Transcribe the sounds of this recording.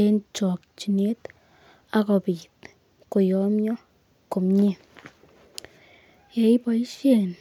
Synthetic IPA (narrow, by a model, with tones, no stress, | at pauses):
e˧nt͡ʃo˨kt͡ʃi˧ne˦t̪ | a˦ɡo˨˧bi˨t̪ | ko˨jo˧˦mjo˦ | ko˨mɲe˦ | je˧˦jba˧jʃe˧n